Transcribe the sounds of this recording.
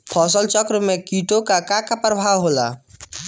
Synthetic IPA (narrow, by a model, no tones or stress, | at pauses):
pʰɔs̬əlt͡ʃəkɾəmekiʈokakãkapɾəbʱawɦola̰